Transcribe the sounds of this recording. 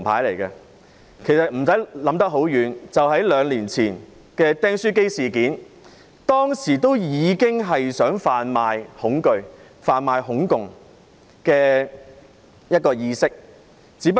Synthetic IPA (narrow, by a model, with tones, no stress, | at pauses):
pʰaː˨˥jle˨˩jkɐ˧ | kʰe˨˩sɐ˨t̚m̩˨˩sɐ˨˥jlɐ˨˥mt̪ɐ˥k̚ɦo˨˥wjyː˨˧nt͡sɐ˨wɦɐ˨˥jlœː˨˧ŋliː˨˩nt͡sʰiː˨˩n | kɛː˧t̪ɛː˥ŋsyː˥k̬e˥jsiː˨kiː˨˥n | t̪ɔː˥ŋsiː˨˩t̪o˥wjiː˨˧kɪ˥ŋɦɐ˨jsœː˨˥ŋfaː˨nmaː˨jhʊ˨˥ŋkɵ˨˧ɥ | faː˨nmaː˨˧jɦʊ˨˥ŋkʊ˨ŋ | kɛː˧ | jɐ˥t̚kɔː˧jiː˧sɪ˥k̚ | t͡siː˨˥pɐ˥